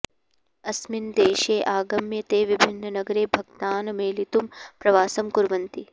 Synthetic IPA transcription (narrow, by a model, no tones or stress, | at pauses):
ɐsmind̪eːʃeːʔaːɡɐmjɐt̪eːʋibʱinːɐnɐɡɐɾeːbʱɐɡt̪aːnmeːlit̪umpɾɐʋaːsɐmkuɾʋɐnt̪i